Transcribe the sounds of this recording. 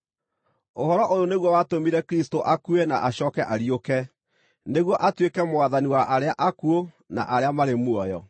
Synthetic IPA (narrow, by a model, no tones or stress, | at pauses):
ohɔɾɔʔoɾoneɣwɔwatomiɾɛkɾistoʔakuɛnaʔaɕɔːkɛʔaɾiokɛ | neɣwɔʔatwekɛmoaðaniwaʔaɾeaʔakuo | na̰ʔaɾeamaɾemwɔjɔ